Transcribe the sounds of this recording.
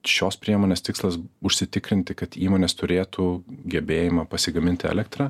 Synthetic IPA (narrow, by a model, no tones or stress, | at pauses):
ʃʲoːspʲɾʲiɛmoːnʲeːst̪ʲɪkslˠɐsʊʃʲsʲɪt̪ʲɪkɾʲɪnʲt̪ʲɪkɐt̪iːmoːnʲeːst̪ʊɾʲeːt̪uɡʲɛbʲeːjɪmɐpɐsʲɪɡɐmʲɪnʲt̪ʲɪɛ̰lʲɛkt̪ɾɑ